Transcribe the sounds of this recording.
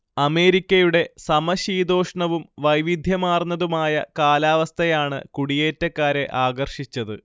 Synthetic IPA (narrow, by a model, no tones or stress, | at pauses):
ɐme̞ːɾikʲːɐjuɽe̞sɐmɐɕiːd̪o̞ːʂɐɳɐʋumʋɐjʋid̪ʱjɐmaːrnːɐðumaːjɐ̰kaːlaːʋɐst̪ʰɐjaːɳɨ̰kuɽije̞ːtːɐkːaːɾe̞ʔaːɡɐrʂit͡ɕːɐðɨ